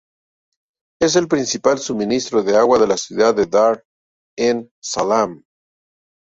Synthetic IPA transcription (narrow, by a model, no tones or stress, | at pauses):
e̞s̬e̞lpɾinsipalsumĩnist̪ɾo̞ðeaɣwaðe̞lasjuðaðeðaɾ | en | salam